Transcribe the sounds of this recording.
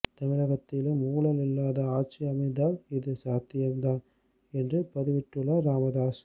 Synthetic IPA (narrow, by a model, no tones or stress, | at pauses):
t̪ɐmɪɻɐɣɐt̪ːɪlemuɣlɐlɪlːaːðɐaːʈ̚t͡ʃɪɐmɐɪd̪aːlɪðɯsaːt̪ːɪjɐnd̪aːn | ɛndrɯpɐðɯʋɪʈːɯɭːɐɾaːmɐðaːs